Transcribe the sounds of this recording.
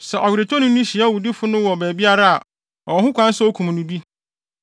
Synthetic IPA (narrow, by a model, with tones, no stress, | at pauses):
sɛ˨ʔɔ˨ɥɪ˨ɾɪ˨tʰɔ˦nʊ̃˦nʊ̃˦ɕi˨a˦˨wu˨di˦fʊ˦nʊ̃˦wɔ˨bɛː˨bi˦a˦ɾa˦a˨ | ɔ˨ɔ˨ɦʊ̃˦kʰʷã˦n̩˦sɛ˦ɔ˦kʰũ˨m˨nʊ̃˦bi˦